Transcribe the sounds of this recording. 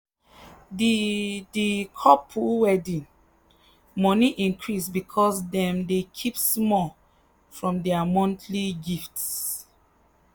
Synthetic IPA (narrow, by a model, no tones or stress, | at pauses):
ddikʰɔpʰuwɛdĩn | mɔniʔĩnkʰɹisbikʰɔsdɛ̃mdekʰipsmɔl | fɹɔ̃mdɛamɔ̃ntʰliɡifts